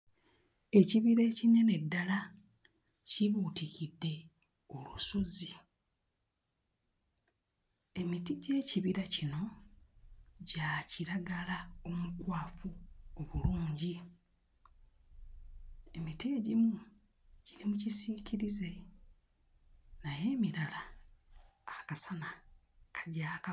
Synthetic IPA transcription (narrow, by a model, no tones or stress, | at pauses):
e̞ciβiɾe̞ːcinene̞dːala | ciβutikidːe̞ | o̞luso̞zi | e̞mitiɟe̞ːciβiɾacino̞ | ɟaciɾaɡalao̞mukwaːfuoβuluːɲɟi | e̞mitieɟimu | ɟiɾimucisiːciɾize̞ | naje̞ːmiɾalaː | kasana | kʰḁɟaːk